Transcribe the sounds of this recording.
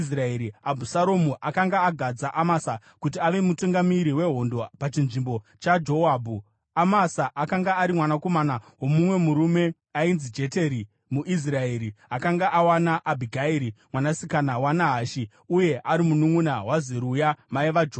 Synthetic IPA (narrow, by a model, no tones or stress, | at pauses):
sraeɾiabʱusaɾomuʔakaŋɡaːɡʱad͡zaʔamasa | kutiaʋe̞mutuŋɡamiɾiwe̞ɦo̞ndo̞pat͡ʃinʐimbo̞ | t͡ʃad͡ʒo̞abʱu | amasaʔakaŋɡaːɾimwanako̞manawo̞mumwe̞muɾume̞ | ainzid͡ʒe̞teɾi | muʔis̬raeɾiakaŋɡaʔawanaʔabʱiɡʱaeɾimwanasikanawanaɦaʃi | uje̞ʔaɾimunumunawaziɾujamaiʋad͡ʒo